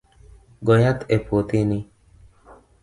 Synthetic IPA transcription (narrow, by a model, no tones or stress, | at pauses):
ɡɔjat̪epot̪ini